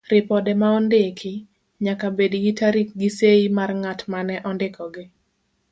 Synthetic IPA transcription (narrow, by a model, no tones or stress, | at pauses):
ɾɪpɔdɛmaɔndɪkʰɪ | ɲakabediɡɪtaɾik̚ɡiseimarŋatmanɛʔɔndɪkɔɡɪ